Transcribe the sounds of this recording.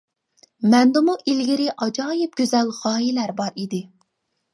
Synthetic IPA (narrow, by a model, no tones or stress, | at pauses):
mɛnd̪ɨmuʔilɡʲiɾɪʔɑd͡ʒɑːjɪp̚ɡʲøzɛlʁɑːjilæɾbɑɾid̪ɪ